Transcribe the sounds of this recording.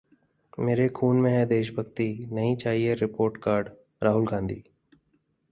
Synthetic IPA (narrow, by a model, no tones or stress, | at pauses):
meːɾekʰuːnmẽɦɛ̃d̪eːʃbʱəɡt̪inəɦĩt͡ʃaːɦieɾɪpoːɾʈkaːɾɖ | ɾaːɦʊlɡãːnd̪ʱiː